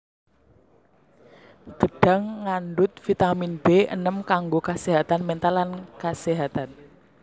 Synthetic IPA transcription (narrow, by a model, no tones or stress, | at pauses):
ɡ̥əɖ̥ä̤ŋːanɖʊt̪̚fit̪aminb̥eə̰nəmkaŋɡokaseɦat̪anmɛnt̪alankaseɦat̪an